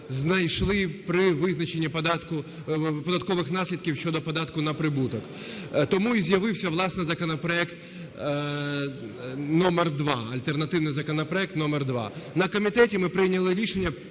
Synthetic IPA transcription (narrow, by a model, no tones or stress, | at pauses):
znɐjʃlˠɪpɾɪʋɪznɐt͡ʃenʲːipd̪ɑt̪kʊ | pɔd̪ɐt̪̚kɔʋɪxnɑsʲlʲid̪kʲiwʃʲt͡ʃɔd̪ɔpɔd̪ɑt̪kʊnɐpɾɪbut̪ɔk | t̪ɔmuizʲjɐʋɪwsʲɐʋlˠɑsnɪjzɐkɔnɔpɾɔɛkt̪ | nɔmerd̪ʋɑɐlʲt̪ernɐt̪ɪwnɪjzɐkɔnɐpɾɔɛk̚t̪nɔmerd̪ʋɑ̰nɐkɔmʲit̪ɛtʲimɪpɾɪjnʲɐlˠɪɾʲiʃenʲːɐ